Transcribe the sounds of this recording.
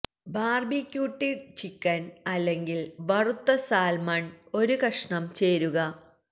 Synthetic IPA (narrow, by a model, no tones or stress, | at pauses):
baːrbikʲːjuːʈːit͡ɕikːɐnɐlːe̞ŋɡilʋɐrut̪ːɐsaːlmɐɳo̞ɾukɐʂɳɐmt͡ɕe̞ːɾuɣɐ